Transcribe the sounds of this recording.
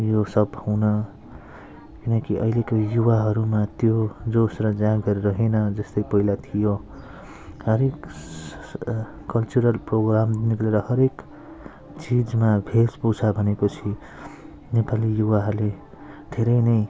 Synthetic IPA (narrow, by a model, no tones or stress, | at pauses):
josʌbũnʌ | kinʌkiʔʌ̰ilekojuwaɦʌɾumat̪jod͡zosrʌd͡zãɡʌɾeɾʌɦenʌd͡zʌst̪ʌjpʌilat̪ʰijo | hʌɾek | ʌlt͡suɾʌlproɡramnikleɾʌhʌɾek | t͡sid͡zmabʱesput͡sʰabʱʌnepʌt͡sʰi | nepalijuwaɦʌɾule | d̪ʱeɾʌjnʌj